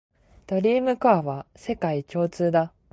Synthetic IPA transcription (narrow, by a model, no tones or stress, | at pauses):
d̪̥o̞ɾʲiːmɯ̟kaaβase̞kait͡ɕo̞ːt͡sɨːd̪a